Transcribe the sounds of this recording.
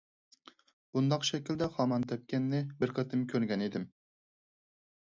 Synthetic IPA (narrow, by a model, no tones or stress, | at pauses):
b̥und̪ɑqʃɛkʲild̪ɛχɑmɑnt̪ʰɛp̚kʲʰɛnːɪbɪɾqʰət̪ʰɨmkʲʰøɾɡʲɛned̪ɪm